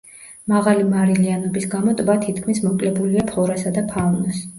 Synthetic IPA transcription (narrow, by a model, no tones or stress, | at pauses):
maʁalimaɾilianɔbisɡamɔt̪ʼbat̪ʰit̪kʰmismɔkʼlɛbuliapʰɔɾasad̪apʰalnɔs